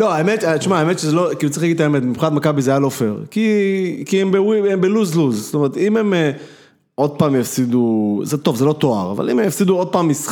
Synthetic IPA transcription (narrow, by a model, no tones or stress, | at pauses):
loaemet̪at̪ʃmaːemet̪ʃezelokilut͡saixlaɡid̪̚t̪ːaemed̪̚mipχinat̪makabizeajalo̞fḛʁkikiembewiembeluzluzst̪omeʁet̪imeme | o̞d̪̚paːmjafsid̪uzet̪o̞vzelo̞t̪o̞a̰ʁa̰va̰lḭmemjafsid̪uo̞d̪̚paːmis